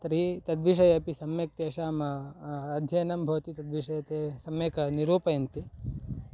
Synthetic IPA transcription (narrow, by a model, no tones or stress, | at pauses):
t̪ɾiːt̪ɐd̪ʋiʂ̬ɐjɐpisɐmjɐk̚t̪eːʃaːmɐɐd̪ʱjɐjɐnɐmbʱɐʋɐt̪it̪ɐd̪ʋiʂɐjɐt̪eːsɐmjɐkɐniɾuːpɐjɐnt̪i